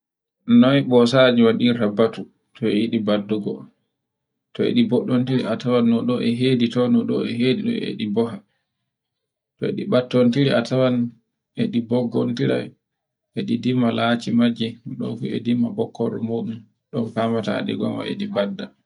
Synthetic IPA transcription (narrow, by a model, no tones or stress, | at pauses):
nɔbɔsad͡ʒiwaɗiɾabatu | tɔɛiɗibadːuɡɔ̰ | tɔḛɗibɔɗːontiɾiatawanːɔɗɔʔɛɦeːditɔnɔɗɔ̰ɛɦediɗɔ̰ḛɗibɔɦa | tɔḛɗibatːɔntiɾiʔatʰawan | ʔɛɗibɔɡɔ̰ntiɾa̰ | ɛɗidimalaːt͡ʃimad͡ʒinɔɗɔ̰kɔ̰ɛ̰dimːabɔkːɔɾɔ̰moːɗum | ɗɔnfaːmata̰ɗḭɡɔ̰nwa̰ʔḛɗibadːa